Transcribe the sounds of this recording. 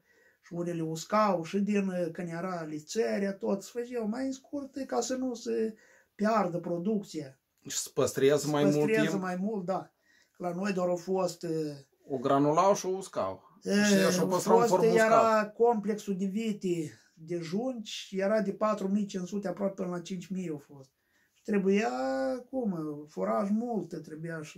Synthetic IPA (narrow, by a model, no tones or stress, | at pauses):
ʃiuneleuskawʃɨd̪inkɨnd̪jeɾalit̪seɾeat̪ot̪sfəʒewmajɨnskurt̪kasənusə | pʲjard̪əpɾod̪uk̚t̪sija | ʃspəst̪ɾijazəmajpəmsutɾijeazəmajmult̪̚d̪a | klano̞jd̪oaɾofost̪ | oɡɾanulawʃiouska̰w | əʃaəstfostojeɾakomple̞ksud̪evit̪i | d̪eʒunʲt͡ʃʲjeɾad̪epat̪ɾumijt͡ʃensut̪eapɾoapʲepɨnəlat͡ʃint͡ʃʲmijawfo̞st̪̚ | ʃi̥t̪ɾebujakumfoɾaʒmult̪t̪ɾebujaʃi